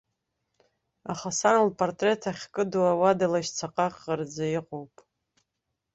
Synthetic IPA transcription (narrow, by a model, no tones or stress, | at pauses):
aχasanlpʰortʼre̞tʰaχʲkʼɨduawadalaʃt͡sʰaqʼaqʼːard͡zajiqʼowpʼ